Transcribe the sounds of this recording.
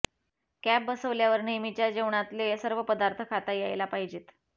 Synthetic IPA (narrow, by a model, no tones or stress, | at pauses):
kæp̚bəsəʋljaʋəɾɳimit͡ɕjad͡ʑeʋɳ̃at̪lesəɾʋəpəd̪aɾt̪ʰəkʰat̪ajejlapaɦid͡ʑet̪